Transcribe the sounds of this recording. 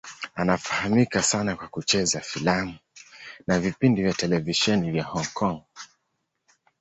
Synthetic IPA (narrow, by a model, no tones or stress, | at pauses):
anafahamikasanakwakut͡ʃɛzafilamunavipindivjatɛlɛviʃɛnivjahɔŋkʰɔŋ